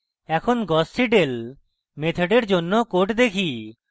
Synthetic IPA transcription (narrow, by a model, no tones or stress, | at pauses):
ɛkʰonɡɔsʈiɖel | met̪ʰeɖeɾd͡ʑonːokoʈd̪ekʰi